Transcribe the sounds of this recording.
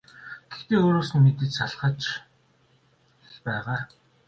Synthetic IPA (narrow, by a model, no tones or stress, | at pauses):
ɡ̥ext̪eːoːɾoːsɘ̆nmet̪ɘ̆t͡ɕsaɮχə̆t͡ɕ | ɮpæːʁaː